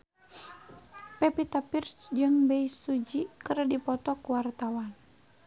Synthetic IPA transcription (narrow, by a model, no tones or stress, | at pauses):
pɛpit̪apirt͡ʃd͡ʒɨŋbɛisud͡ʒikɨrdipɔt̪ɔkuwart̪awan